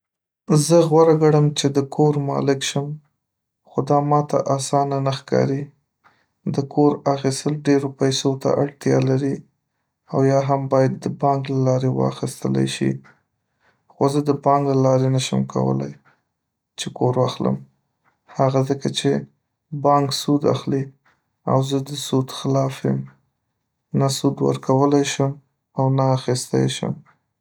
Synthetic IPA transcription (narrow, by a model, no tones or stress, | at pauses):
zəɣwaɾaɡaɽəmt͡ʃed̪əkʰoɾmɑ̰lɪkʃəm | xod̪ɑmɑt̪a̰ʔasɑnanaxkɑ̰ɾi | d̪əkʰoɾaxist̪əlɖeɾopajsot̪a̰ʔaɽt̪jɑ̰laɾi | awjɑɦambɑjad̪ːəbɑŋɡlalɑɾewɑ̰xist̪əla̰jʃḭ | xozəd̪əbɑŋɡlalɑɾenaʃəmkʰa̰wə̰la̰j | t͡ʃekoɾwaxlə̰m | haɣazəkat͡ʃe | bɑŋksud̪a̰xli | a̰wzəd̪əsud̪xɪlɑfəm | nasud̪wə̰ɾkawəlajʃəm | awnaːxist̪a̰jʃə̰m